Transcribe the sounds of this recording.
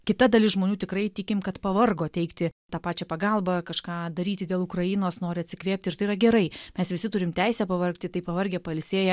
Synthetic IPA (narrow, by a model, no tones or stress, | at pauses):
kʲɪt̪ɐd̪ɐlʲɪsʒmoːnʲuːt̪ʲɪkɾɐɪt̪ʲɪkʲɪmkɐt̪pɐʋɐrɡoːt̪ʲɛɪkt̪ʲɪt̪ɑːpɑːt͡ʃʲɛpɐɡɑlˠbɐkɐʃkɑːd̪ɐɾʲiːt̪ʲɪd̪ʲeːlˠʊkɾɐjɪnoːsnoːɾʲɪɐt̪ʲsʲɪkʋʲeːpʲt̪ʲɪɾrt̪ɐɪɾɐɡʲɛɾɐɪmʲɛsʋʲɪsʲɪt̪ʊɾʲɪmt̪ʲæɪsʲɛːpɐʋɐrkt̪ʲɪt̪ɐɪpɐʋɐrʲɡʲɛːpɐɪlʲsʲeːjɛ